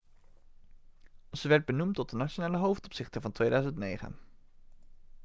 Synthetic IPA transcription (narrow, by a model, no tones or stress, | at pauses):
zəʋɛɹd̚bənumtɔt̚dənat͡ʃonaːləɦowftɔpsɪχtənvɑntʋejdœɥzəntnejχə̰n